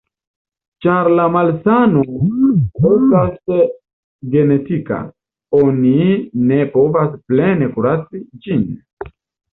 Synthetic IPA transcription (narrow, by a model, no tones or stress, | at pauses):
t͡ʃaɾlamalsano | estas | ɡe̞ne̞tika̰ | o̞nine̞po̞vasple̞nekuɾat͡sid͡ʒin